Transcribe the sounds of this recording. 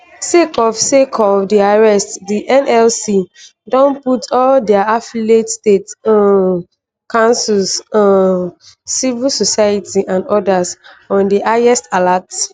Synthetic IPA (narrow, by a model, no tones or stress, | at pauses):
sekʰɔfsekʰɔfdiaɹɛstdiʔɛ̃nɛlsi | dɔ̃nputʰɔldɛaafiletstetɔ̃nn | kãnsulsɔ̃ | sivilsosajitʰiʔãndɔdasɔ̃ndiaɛstalats